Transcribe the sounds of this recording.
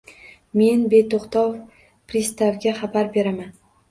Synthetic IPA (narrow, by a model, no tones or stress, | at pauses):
me̞nbe̞t̪oχt̪ɒw | pɾist̪avɡʲaχabaɾbe̞ɾaman